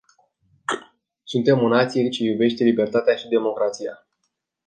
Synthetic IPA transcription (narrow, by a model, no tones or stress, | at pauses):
sunt̪e̞monat̪sʲjeɾit͡ʃejube̞ʃt̪e̞libe̞rt̪at̪eaʃid̪e̞mo̞kɾat̪sija